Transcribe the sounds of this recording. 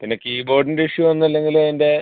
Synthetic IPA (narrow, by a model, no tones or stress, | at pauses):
p̪inɐkʲːɨiːbo̞ːɖindiʂjuʋɐnːɐlːe̞ŋɡilende̞